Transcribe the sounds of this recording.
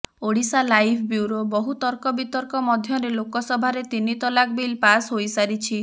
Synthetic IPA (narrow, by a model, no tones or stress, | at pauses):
oɽisalajpʰbjuwɾobɔɦut̪ɔɾkɔbit̪ɔɾkɔmɔd̪ʱjɔɾelokɔsɔbʱaɾet̪init̪ɔlak̚bilpasɦojsaɾit͡ʃʰi